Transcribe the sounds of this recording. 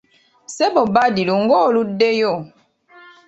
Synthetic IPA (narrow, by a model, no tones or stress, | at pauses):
sɛbɔbadiluŋ̩ɡɔludejɔ